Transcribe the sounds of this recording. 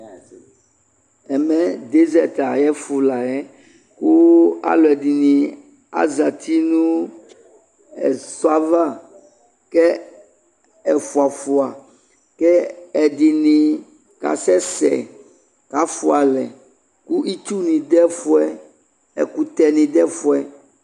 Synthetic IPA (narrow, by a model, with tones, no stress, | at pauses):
ɛ˨mɛ̃˨˦d̪e˦zɛ˨t̪a˨jɛ˦fu˨la˨ɛ˦ | ku˦a̰˨lɔ˨ɛ˨di˨nĩ˨ | a̰˦za˨t̪ʰi˦nũ˦ | ɛ˨sɔ˦a˦va˦ | kɛ˦ | ɛ˨fu˨a˨fu˨a˨ | kɛ˦ɛ˨di˨nĩ˨ | ka̰˨sɛ˦sɛ̰˨ | ka˨fu˨a˨lɛ˨ | ku˦ʔi˦t͡ʃ̪u˦nĩ˨d̪ɛ˦fu˦ɛ˦ | ɛ̰˨ku˨t̪ɛ˨nĩ˨d̪ɛ˦fu˦ɛ˨